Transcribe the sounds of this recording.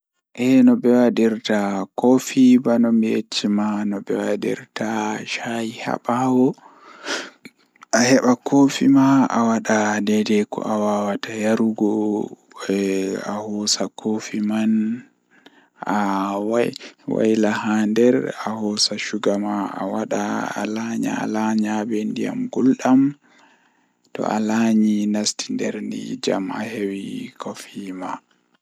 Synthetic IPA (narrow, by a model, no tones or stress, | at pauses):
ʔɛnɔbɛwadiɾtakofibanɔmijet͡ʃːimanɔbɛwadḭɾtaʃajiha̰ɓawɔ | ʔahɛɓakʰofimaa̰waɗadɛdɛkɔ̰ʔawawatajaɾuɡɔ | a̰hɔsakʰofiman | awawa̰jlahandɛɾahɔsaʃuɡamaʔa̰waɗaa̰laɲa̰a̰laɲabɛndḭja̰mɡulɗam | tɔ̰ʔalaːɲinastindɛɾndḭd͡ʒa̰ma̰hewikʰɔfima